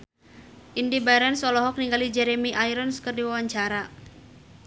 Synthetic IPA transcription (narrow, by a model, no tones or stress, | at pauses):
ʔindibaɾɛnsɔlɔɦɔk̚niŋɡalid͡ʒɛɾemiʔajɾɔnskərdiwawaɲt͡ʃaɾa